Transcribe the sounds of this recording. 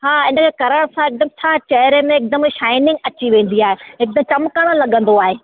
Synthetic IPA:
ɦaːɪ̃nəkʰeːkɐɾəɽ̃sãɪk̚d̪əmt͡ɕʰaːt͡ɕɐɦɾemẽɪk̚d̪əmʃaːɪnɪ̃ŋɡɐt͡ɕiʋẽːn̆d̪iaːɦeɦɪk̚d̪əmt͡ɕɐmkəɽ̃əlɐɠə̃nd̪oaːɦeː

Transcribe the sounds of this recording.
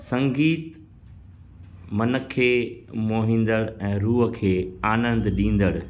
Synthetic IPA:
sɐ̃ŋɡiːt̪ | mɐnə̆kʰeːmoːɦĩːn̆d̪əɽɛ̃ːɾuːɦə̆kʰeːaːnə̃nd̪ɗĩːn̆d̪əɽʊ

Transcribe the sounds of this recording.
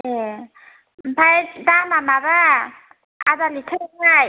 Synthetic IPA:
e | m̩pʰajdaŋmamaba | adalitʰɯaj

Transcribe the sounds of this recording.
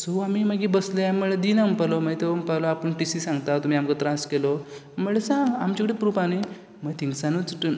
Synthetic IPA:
soamimaɡibəsləjaməɭed̪inampalɔmaɡt̪eəmpalɔapəɳʈisisãŋɡt̪at̪um̤iːamkət̪ɾãskelɔ | məɭesãamt͡ɕakəɽipɾupani | mət̪ʰĩŋɡsanut͡sʈ

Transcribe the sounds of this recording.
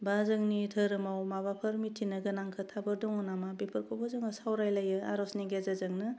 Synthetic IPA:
bazɯŋnitʰəɾɯmawmaβapʰɯɾmitʰːinɯɡɯnaŋkʰɯtʰabɯɾdɔŋɔnamabepʰɯɾkʰobɔzɯŋɯsawɾajlajɯa̰ɾɔsniɡezazɯŋnɯ

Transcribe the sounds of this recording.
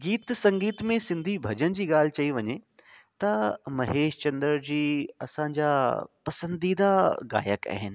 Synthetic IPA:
ɡiːt̪sɐ̃ŋɡiːt̪mẽsɪ̃nd̪ʱibʱɐd͡ʑənɪ̆d͡ʑiːɠaːl̤ɪt͡ɕɐiʋɐɲet̪ɐmɐɦeːʃt͡ɕɐ̃nd̪əɾd͡ʑiːɐ̰sãɲd͡ʑaːpɐsə̃nd̪id̪aɡa̰ːjəka̰ːɦɪnɪ̆

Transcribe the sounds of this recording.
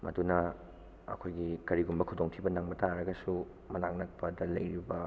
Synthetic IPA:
mɐ̰dunɐ | ɐ̰kʰojɡikɐɾiɡumbɐkʰudoŋtʰibɐnaŋmɐtaɾɐɡɐsu | mɐnaŋnɐk̚pɐdɐlɐjɾibɐ

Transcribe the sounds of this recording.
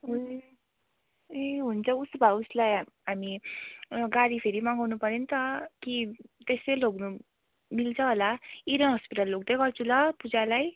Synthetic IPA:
ɦu | eɦunt͡sʰʌusbʱauslaj | ɦami | ɡaɽipʰeɾimaŋɡawnupʌɾent̪ʌkit̪esejloɡnu | milt͡sʰʌɦolaiɾʌnɦʌspiʈalːoɡ̚d̪ʌjɡʌrt͡sʰũlʌpud͡zalaj

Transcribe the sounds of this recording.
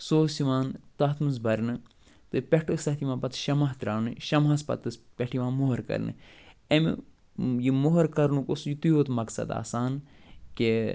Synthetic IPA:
soːsiʋaːnt̪ɐːt̪ʰmɨz̬bɐɾnɨ | t̪ɨpʲeʈɨsɐht̪ʰimãːpɐt̪ʃɐmaɦt̪ɾaːnɨʃɐmɦaspɐ̰t̪ɨspʲeʈiʋãːmoɦɐɾkɐ̰ɾnɨ̰emḭ | jimoɦɐɾkɐɾnukosjit̪ujoːt̪mɐksɐ̰d̪a̰ːsaːn | ke

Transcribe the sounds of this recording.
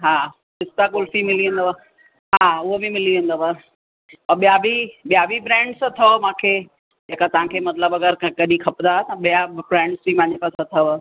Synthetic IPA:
ɦaː | ɪst̪ak̬ʊlfimɪliɦũn̆d̪oaː | ɦaːʊɦobɪmɪliɦũnd̪oʋaː | ɐɓijabiɓijabʱibɾɛ̃ːɳɖsət̪ʰɐʋmãːkʰeː | d͡ʑeːkat̪ɐʋ̤ãkʰeːmɐt̪ləbɐɡəɾkkɐɗĩkʰɐpd̪aːɦt̪ɐ̃ɓijabɾɛ̃ːɳɖsbimãːɲd͡ʑepaːsat̪ʰɐʋ

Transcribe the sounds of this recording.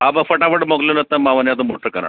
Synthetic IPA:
abəfəʈafəʈmoklonət̪ːamaʋənjat̪̬omoʈəɾkəɾa̰

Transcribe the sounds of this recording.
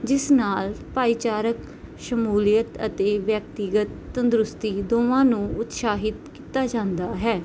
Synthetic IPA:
d͡ʒɪsnaːlpaːit͡ʃaːɾək | ʃəmuːlijət̪ə̰t̪eːʋjək̚t̪ɪɡət̪ːə̃nd̪ɾʊst̪iːd̪oːʋãːnũːʊt̪ʃaːɦɪt̪kiːt̪aːd͡ʒãːnd̪aːɦɛː

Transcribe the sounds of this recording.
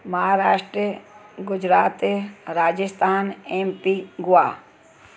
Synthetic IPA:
mɐɦaːɾaːʃʈɾɡʊd͡ʒɾaːt̪ɾaːd͡ʒəst̪ʰaːneːmpiɡʊaː

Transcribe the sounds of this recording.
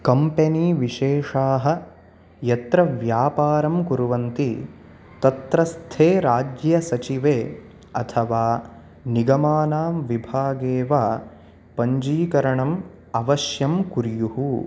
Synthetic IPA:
kɐmpeniːʋiʃeːʂaːɦɐ̆ | jɐt̪ɾɐʋjaːpaːɾɐmkuɾuʋɐnt̪i | t̪ɐt̪ɾɐst̪ʰeːɾaːd͡ʒjɐsɐt͡ʃiʋeː | ɐ̰t̪ʰɐʋaː | niɡɐmaːnaːʋibʱaːɡeːʋaː | pɐɲd͡ʒiːkɐɾɐɳɐm | ɐʋɐʃjɐmkuɾjuɦu

